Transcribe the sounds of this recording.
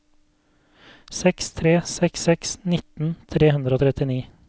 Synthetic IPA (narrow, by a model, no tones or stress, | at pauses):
sɛkst̪ʰɾeːsɛksɛksnɪt̪n̩t̪ʰɾeːhʉnd̪ɾəoːt̪ʰɾɛt̪ɪniː